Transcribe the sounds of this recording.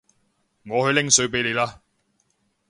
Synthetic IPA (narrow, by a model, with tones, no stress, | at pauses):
ŋɔː˨˧hɵ˧lɪ˥ŋsɵ˨˥ɥpe˨˥jle˨˧jlaː˧